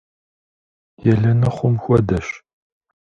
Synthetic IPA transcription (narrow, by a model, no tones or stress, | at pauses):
jɛɮɐnɐχʷʊmxʷɔdɐʃ